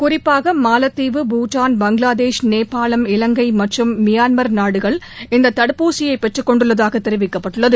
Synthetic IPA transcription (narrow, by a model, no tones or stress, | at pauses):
kʊrɪpːaːɣɐmaːlɐt̪ːiːʋɯbuːʈːaːnbɐŋɡɪɭaːd̪eːʂneːpːaːlɐmɪlɐŋɡɐɪmɐʈrɯmːɪjaːnmɐɾnaːɽɯɣɐɭ | ɪnd̪ɐt̪ːɐɽɯpːuːsɪjɐɪpːɛʈrɯkːɔɳɖɯɭːɐðaːɣɐt̪ːɛɾɪʋɪkːɐpːɐʈːɯɭːɐðɯ